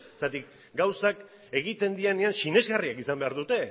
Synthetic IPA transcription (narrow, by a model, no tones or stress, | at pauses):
est̪at̪ik | ɡawsak | e̞ɣ̞it̪e̞nd̪ianeansine̞zɣariakisambe̞aɾðut̪e̞